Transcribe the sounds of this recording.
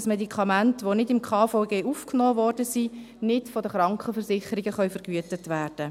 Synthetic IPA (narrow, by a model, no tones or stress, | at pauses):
smɛdikʰɑmæntʋonɪdɪmkʰɑːfoːɡeːʔufknoːvɔːɾd̥əsi | nɪtfɔdəχɾɑŋkχəfəɾsɪχəɾiɡəχœʏfəɾɡ̥yətətʋæːɾd̥ə